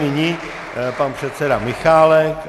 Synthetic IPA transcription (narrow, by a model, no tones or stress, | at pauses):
nɪɲi | panpr̥ɛt̪sɛdamɪxaːlɛk